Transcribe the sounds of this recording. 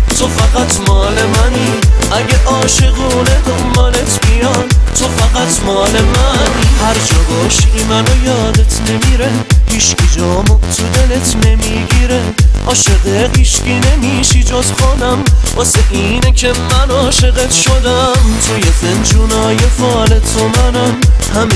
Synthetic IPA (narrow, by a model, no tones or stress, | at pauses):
t̪ʰofæɣæt̪ʰmɒːle̞mæni | ʔæɟeʔɒːʃeɣuːned̪ombɒlet̪bijɒnt̪ʰo̞fæɣæt̪ʰmɒːlemænihæɾd͡ʒɒːbɒːʃiimænojɒːd̪et̪ʰne̞miːɾe | hiːʃkʰod͡ʒɒːmot̪ʰud̪e̞let̪ʰne̞miːɡiːɾe | ʔɒːʃeɣehiːʃkine̞miːʃid͡ʒozxonæmbɔseʔiːnekʰe̞mænɒːʃe̞ɣet̪ʃod̪æ | mt̪ʰojezend͡ʒunɒːjefɒːlet̪ʰːomænæmhæm